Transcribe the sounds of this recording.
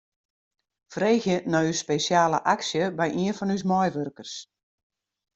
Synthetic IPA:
freːxjənɔyspeːsjaːləʔaksjəbɛjʔiənfɔnys̬mɔjʋørkərs

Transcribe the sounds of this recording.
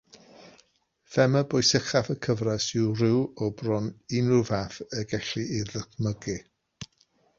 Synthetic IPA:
fɛməbʊjsɪχafəkʰəvrasɪwrɪwɔbrɔnɪnʊvaθəɡɛɬiʔɪðəkʰməɡɨ

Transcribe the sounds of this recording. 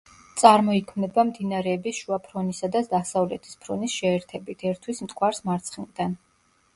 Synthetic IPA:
t̪sʼaɾmɔikʰmnɛbamd̪inaɾɛːbisʃuapʰɾɔnisad̪ad̪asavlɛt̪ʰi̥spʰɾɔnisʃɛːɾt̪ʰɛbit̪ʰɛɾt̪ʰwismt̪ʼkʼwaɾsmaɾt̪sʰχild̪an

